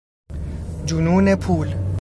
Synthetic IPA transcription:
d͡ʒununepʰuːl

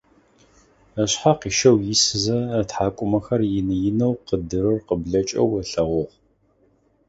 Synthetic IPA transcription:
ɐɕħaqiːʃɐwjɪsɨzɐːtħaːkʷʼʊmɐxɐrjɪnɨjɪnɐwqədɨɾɨrqəbɮɐt͡ʃʼɐ̰wɐɬɐʁʷʊʁ

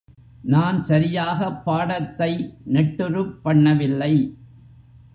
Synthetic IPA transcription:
naːnsɐɾɪjaːɣɐpːaːɽɐt̪ːɐɪnɛʈːɯɾɯpːɐɳːɐʋɪlːɐɪ

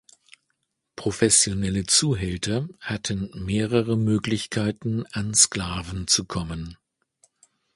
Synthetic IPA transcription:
pʁ̥ofɛsjonɛlət͡suːɦɛltʰɐhatʰənmeːʁəʁəmøːklɪçkʰaɪtn̩anskl̥aːvn̩t͡sukʰɔmən

